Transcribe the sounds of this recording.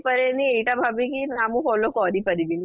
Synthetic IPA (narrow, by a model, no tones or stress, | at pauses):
pəɾenieʈabʱabĩkinamũkolokɔɾipəɾibini